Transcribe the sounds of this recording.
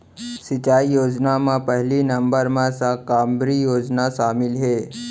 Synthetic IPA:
sit͡ɕaijoːd͡ʒnamãpəɦlinəmbəɾmãsakambɾijoːd͡ʑnaʃamɪlɦe

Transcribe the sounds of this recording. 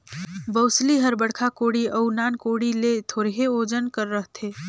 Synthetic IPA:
bəʊsliɦəɾbəɽkʰakoːɽiʔəʊnaːnkoːɽilet̪ʰoːɾɦeoːd͡ʒənkəɾːəɦt̪ʰeː

